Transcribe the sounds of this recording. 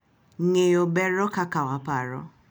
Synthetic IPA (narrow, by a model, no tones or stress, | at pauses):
ŋeobɛɾɔkakawapaɾɔ̰